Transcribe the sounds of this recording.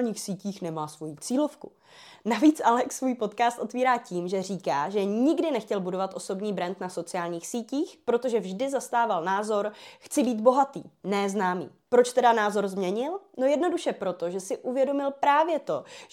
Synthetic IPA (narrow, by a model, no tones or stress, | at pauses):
ɲiːxsiːciːxnɛmaːsvo̞jit͡siːlo̞fkṵ | naviːt͡sʔalɛksvuːjpo̞t̪kaːst̪ʔo̞t̪viːɾaːciːmʒɛr̝iːkaːʒɛɲɪɡdɪnɛxcɛlbudovat̪ʔo̞so̞bɲiːbɾɛnt̪naso̞t͡sɪjaːlɲiːxsiːciːxpɾo̞t̪oʒɛvʒdɪzast̪aːvalnaːzo̞ɾxt͡sɪbiːd̪bo̞ɦat̪ḭːnɛːznaːmḭːpɾo̞t͡ʃt̪ɛdanaːzo̞ɾzmɲɛɲɪlno̞jɛdno̞duʃɛpɾo̞t̪o̞ʒɛsɪʔuvjɛdo̞mɪlpɾaːvjɛt̪o̞